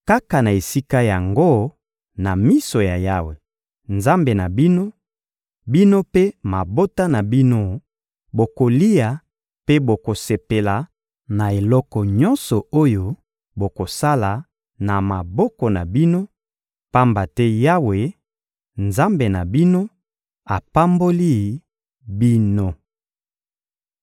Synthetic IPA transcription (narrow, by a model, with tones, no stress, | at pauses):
ka˦ka˨na˨e˨si˦ka˦ja˨ŋɡo˦ | na˨mi˦so˨ja˨ja˦we˨ | nza˦mbe˨na˨bi˦no˦ | bi˦no˦pe˦ma˨bo˦ta˦na˨bi˦no˦ | bo˨ko˨li˦a˨ | pe˦bo˨ko˨se˨pe˨la˨ | na˨e˨lɔ˦kɔ˨ɲɔ˦nsɔ˨o˦jo˦ | bo˨ko˨sa˦la˨ | na˨ma˨bɔ˦kɔ˨na̰˨bi˦no˦ | pa˦mba˨tɛ˦ja˦we˨ | nza˦mbe˨na̰˨bi˦no˦ | a˨pa˦mbo˦li˦˨ | bi˦no˦